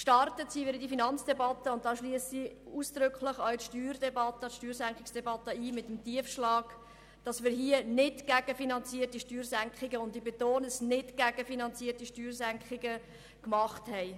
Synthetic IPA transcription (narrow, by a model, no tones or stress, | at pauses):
kʃtɑrtətsiʋɪːɾdifinɑnt͡sd̥ɛbɑtəʊnt̚dɑːʃliəsiuːsd̥ɾʏkχləχœɥtʃtyːɾdɛbɑt̪ətʃtyːɾsæŋkχɪksd̥ɛbɑtəiːmɪtəmtiəfʃlɑːɡ | d̥ɑsmɪːɾɦiənɪdɡ̥æɡ̥əfinɑnt͡siətiʃtyːɾsæŋkχɪɡəʊndɪbetoːnəsnɪdɡ̥æɡəfinɑnt͡siːəɾtiʃtyːɾsæŋkχɪɡə | kmɑχthɛɪ